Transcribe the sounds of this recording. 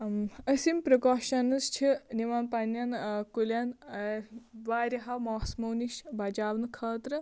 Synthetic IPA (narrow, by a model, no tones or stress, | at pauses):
ɐsimpɾɐkoːʃɐnɨst͡ʃʰiniʋaːnpanjankulʲan | ʋaːɾiɦɐmoːsmɐwniʃbad͡ʒaːʋnɨkʰɐːt̪ɾɨ